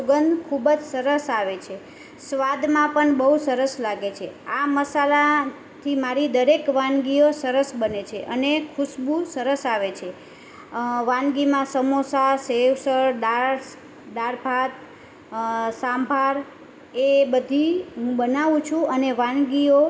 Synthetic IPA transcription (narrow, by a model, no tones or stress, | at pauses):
sʊɡənd̪kʰubəd͡ʒsəɾəsaʋet͡ʃʰe | sʋad̪mãpəɳbəɦusəɾəslaɡet͡ʃʰeaməsala | t̪ʰimaɾid̪əɾekʋãnɡiosəɾəsbənet͡ʃʰeʔənekʰʊʃbũsəɾəsaʋet͡ʃʰe | ʋãnɡimãsəmosaseʋsəɾɖaɾs | ɖaɾpat̪̚ | sãmbʱaɾ | ebəd̪ʱiɦũbənaʋũt͡ʃʰũʔəneʋãnɡio